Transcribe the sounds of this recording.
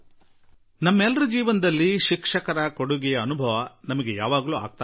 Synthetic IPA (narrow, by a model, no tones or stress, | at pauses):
nɐmːɐɛlːɐɾud͡ʒiːʋɐnɐd̪ɐlːiʃikʂɐkɐɾɐkoɽuɡɛjɐːnubʱɐʋɐnɐmɐɡeja̰ːʋaːɡɐluːa̰ːɡ̚t̪a